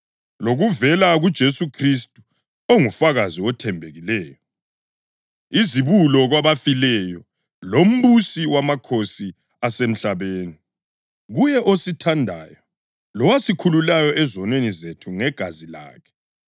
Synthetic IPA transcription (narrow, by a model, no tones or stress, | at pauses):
loɣuvɛlaɣud̥ʒ̥ʱesukʰristʼu̥ | oŋufaɣaziɔtʰɛmbʱeɣilɛːjɔ | iziβulɔɣwaβafilɛjɔ | lom̩βusiwamakʰosi | asem̩ɬaβeːni | ɣujɛʔositʰandʱa̰ːjɔ | lɔwasikʰululajɔʔɛzɔnwenizetʰuŋɛɡ̥ʱazila̰ːkʰɛ̥